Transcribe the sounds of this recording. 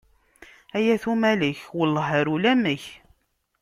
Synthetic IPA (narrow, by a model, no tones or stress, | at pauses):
æjæθumæləçwəlːəɦəɾulæməç